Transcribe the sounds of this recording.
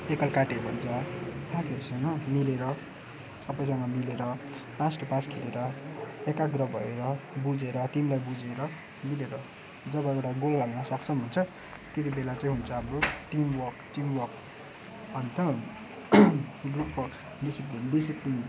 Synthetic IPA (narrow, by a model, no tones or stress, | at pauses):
ekʌlkaʈebʱʌnd͡zasat̪ʰiʌɾusʌŋɡʌmileɾʌ | sʌbʌjsʌŋɡʌmileɾʌ | pasʈʌpaskʰeleɾʌekaɡrʌbʱʌeɾʌbud͡zeɾʌʈ̪imlajbud͡zeɾʌ | mileɾʌ | d͡zʌbʌewʈaɡolːaɡnʌsʌkt͡sʰʌbʱunt͡sʰʌ | t̪et̪ibelat͡saĩɦunt͡sʰʌɦʌmɾoʈimwʌrkʈimwʌrk | ʌnt̪ʌ | ɡrupwʌrk | ɖisiplinɖis̬iplin